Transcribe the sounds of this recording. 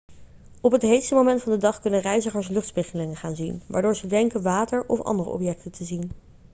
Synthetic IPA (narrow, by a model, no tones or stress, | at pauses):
ɔpɦətɦejtstəmowmɛntfɑndədɑχkɵnənrɛjzəχəɹs̬lɵχtspɪχəlɪŋəχaːnzinʋa̰ːɹdʊːɹzədɛŋkənʋaːtəɹɔfɑ̰ndərə̰ɔ̰pjɛk̚təntʰəzin